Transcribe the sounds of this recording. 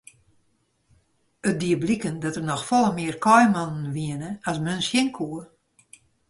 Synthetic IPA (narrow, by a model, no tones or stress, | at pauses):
ət̚diəblikəndɔtərnɔxfɔlˠəmɪərkʰɔjmɔnn̩ʋiənəasmønsjɪŋkʰuə